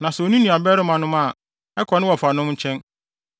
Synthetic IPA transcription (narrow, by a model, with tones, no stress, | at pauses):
nã˨sɛ˨o˨nũ˦nĩ˨a˨bɛ˦ɾɪ˦mã˨nʊ̃˦mã˦˨ | ɛ˦kʰɔ˨nɪ̃˦wɔ˨fa˨nʊ̃˦mɲ̩˦t͡ɕʰɛ̃˦n